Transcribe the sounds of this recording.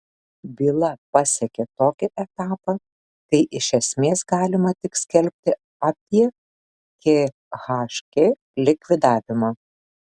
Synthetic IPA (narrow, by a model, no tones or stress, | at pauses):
bʲiːlˠɐpɑsʲɛkʲet̪oːkʲɪʔɛt̪ɑːpɑ | kɐɪʔɪʃʲɛsʲmʲeːsɡɑːlʲɪmɐt̪ʲɪksʲkʲɛlʲpʲt̪ʲɪ | ɑːpʲiɛ | kʲe | ɣɑːʃkʲe | lʲɪkʋʲɪd̪ɑːʋʲɪmɑː